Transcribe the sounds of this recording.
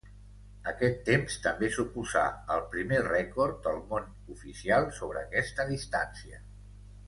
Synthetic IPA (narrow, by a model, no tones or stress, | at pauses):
əkɛt̪ːemst̪əmbesupuza̰əlˠpɾimerɛkoɾt̪̚d̪əlˠmon | ufisialˠsoβ̞ɾəːkɛst̪əðist̪ansiə